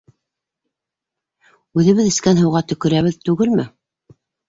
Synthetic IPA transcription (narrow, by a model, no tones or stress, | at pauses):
ʉðɘ̆βɘðɘ̆skænɦɤ̆wʁɑt̪ɵ̆kɵ̆ɾæβɘðt̪ʉɡɘlmɘ